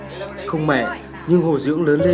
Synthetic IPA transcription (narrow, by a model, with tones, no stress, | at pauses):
xə˧wŋ͡mma̰˧˨ | ɲɨ˧ŋho˨˩zɨ̰˧˥əŋləː˨˦nle˧